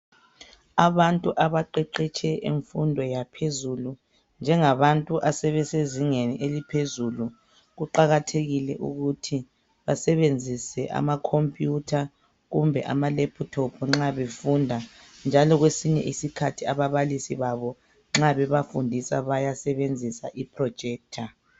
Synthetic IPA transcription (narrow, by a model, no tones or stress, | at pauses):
aβantʼuʔaβaǃɛǃɛt͡ʃʰɛʔḭɱfundʱɔjapʰezulu | nd͡ʒʱɛŋaβantʼuʔasɛβɛseziŋeniʔelipʰezulu | ɣuǃaɣatʰeɣilɛʔṵɣutʰi | βasɛβend͡zʱisɛʔa̰makʰompʼjutʰa | ɣumbʱɛʔa̰malepʰutʰɔpʰɔŋ͡ǁaβefundʱa | nd͡ʒʱalɔɣwesiɲɛ̰ʔisikʰatʰiaβaβalisiβaβɔ | ŋ͡ǁaβɛβafundʱisaβajasɛβend͡zʱisa̰ʔipʰrɔ̥d͡ʒ̥ʱɛːk̚tʰa